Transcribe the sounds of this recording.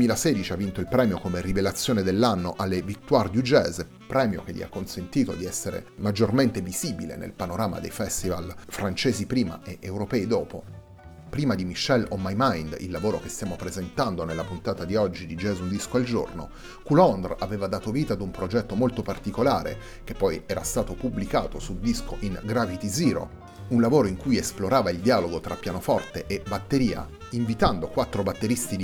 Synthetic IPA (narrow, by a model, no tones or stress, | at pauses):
d̪wemiːlaseːd̪it͡ʃiavːint̪oilpɾɛːmjokomerivelat̪sːjoːned̪elːanːoʔalːevikt̪ːward̪jud͡ʒɛːz | pɾɛːmjo̰k̟eʎːḭa̰kːonsent̪iːt̪od̪iɛsːeɾḛmad͡ʒːorment̪eviziːbilḛnḛlpanoɾaːma̰d̪ḛjfɛst̪ivalfɾant͡ʃeːzipɾiːma̰eʔewɾopɛːid̪oːpo | pɾiːmad̪imiʃːɛlomajmajnd̪ḭlːavoːɾokest̪jaːmopɾezent̪and̪onelːapunt̪aːt̪ad̪iɔd͡ʒːid̪id͡ʒɛːzund̪iskoald͡ʒo̰rno̰ | kulɔnd̪raveːvad̪aːt̪oviːt̪aːd̪umpɾod͡ʒɛt̪ːomolt̪opart̪ikolaːɾḛ | k̟epːɔjɛːɾa̰st̪aːt̪opubːlika̰ːt̪osud̪isko̰ʔinɡɾavit̪iziːɾo̰ | unlavoːɾoiŋkujesploɾaːvaild̪iaːloɡot̪ɾʔapːjaːnofɔrt̪eʔebat̪ːeɾiːa̰ | iɱvit̪and̪okwat̪ːɾobat̪ːeɾist̪i